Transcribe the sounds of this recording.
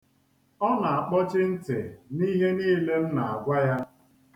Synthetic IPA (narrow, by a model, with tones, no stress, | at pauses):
ɔ˦na˨a˨k͡pɔ˦t͡ʃɪ˦n̩˦tḛ˨ni˦ɦe˦niː˦le˦m̩˦na˨a˨ɡʷa˦ja˦